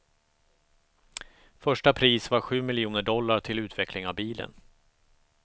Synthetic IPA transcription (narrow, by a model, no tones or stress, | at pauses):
fœʂʈapʰɾiːsvaɾɧʉ̟ːmɪljuːnəɖɔlːaʈʰɪlʉ̟ːt̪vɛklɪŋavbiːlə̰n